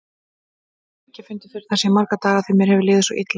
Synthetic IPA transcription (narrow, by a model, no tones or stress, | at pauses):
cːɪfʏnt̪ɪ̥fɪɾɪɾ̥θasɛmːaɾkat̪aːlaθɪmːjɛɾhɛvɪlɪːðʏsɔʔit̪l